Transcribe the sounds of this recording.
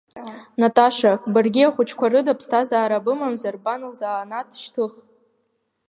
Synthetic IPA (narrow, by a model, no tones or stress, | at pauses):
natʼaʂabɨrɡʲiaχʷʊt͡ʃʰkʷʰarɨdapʰstʰazaːɾabɨmamzarbanɨlzaːnatʰʃtʰɨχ